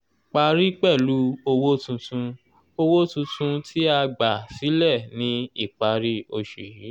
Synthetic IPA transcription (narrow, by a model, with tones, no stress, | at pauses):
k͡pa˧ɾi˦k͡pɛ˦˨lu˨˦o˧wo˦tũ˧tũ˧ | o˧wo˦tũ˧tũ˧tʰi˦a˧ɡ͡ba˨si˨˦lɛ˦˨nĩ˧i˦˨k͡pa˧ɾi˦o˧ʃe˨i˨˦